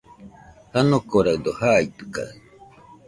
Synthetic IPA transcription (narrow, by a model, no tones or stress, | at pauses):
hanokoɾaɯd̪ohait̪ɯ̥ka̰